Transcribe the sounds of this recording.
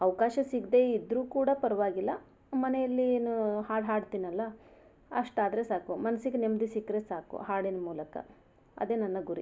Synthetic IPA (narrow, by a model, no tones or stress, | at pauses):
ɐʋkaːʃɐsiɡd̪e̞id̪ɾuːkuːɽɐpɐɾɐʋaːɡilːɐ | mɐnejɐlːieːnuɦaːɽɦaːɖt̪inɐlːɐ | ɐʂʈaːd̪ɾe̞saːkumɐnɐsiɡenemd̪isikːɾeːsaːkṵɦaːɽinɐmuːlɐkɐ̰ | ɐ̰d̪e̞ːnɐnːɐɡuɾḭ